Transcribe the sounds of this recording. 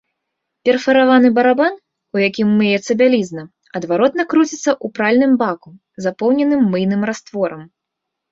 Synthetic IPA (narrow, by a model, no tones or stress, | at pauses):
pʲɛrfɐɾavanɨbɐɾaban | ujakʲimːɨjɛt̪sɐbʲalʲiznɐ | ɐd̪vaɾɔt̪nɐkɾut͡sʲit̪sːɐʔupɾalʲnɨmbaku | zapɔwnʲɛnɨmːɨjnɨmɾast̪vɔɾɐm